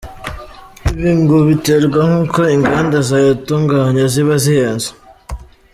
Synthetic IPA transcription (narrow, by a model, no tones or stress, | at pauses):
iβiːŋɡoβiteɾɡwaŋ̥uːko̞iŋɡandazajotuŋɡaːɲaziβazijanzḁ